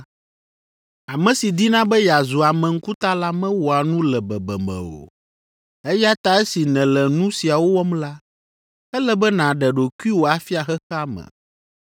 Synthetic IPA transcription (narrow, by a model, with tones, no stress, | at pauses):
a˨mɛ̃˨si˨d̪i˦nã˦bɛ˦ja˨zu˨a˨mɛ̃˨ŋ̩˦ku˦t̪a˦la˦mɛ̃˦wo˨a˨nũ˦lɛ˨bɛ˨bɛ̰˨mɛ̰̃˨o̰˨ | e˦ja˦t̪a˦ɛ˦si˨nɛ̃˨lɛ˨nũ˦si˨a˨wo˦wɔ˦mla˦ | ɛ˦lɛ˦bɛ˦nã˨ɖɛ˨ɖo˨ku˦i˦wo˨a˨fi˦a˨xɛ˦xa˦mɛ̰̃˨